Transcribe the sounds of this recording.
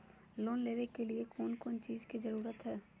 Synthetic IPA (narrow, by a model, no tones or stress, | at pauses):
loːnleːʋekːeliekoːnkoːnt͡ʃiːzkizɐɾuːɾət̪ɦɛː